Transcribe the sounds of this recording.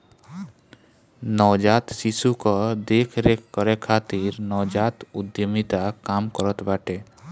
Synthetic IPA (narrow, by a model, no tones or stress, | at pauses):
nɔwd͡ʒat̪sisukɔd̪ekʰɾekʰkɔɾekʰat̪iɾnɔwd͡ʒat̪ud̪jɔmit̪akamkɔɾɔt̪baʈe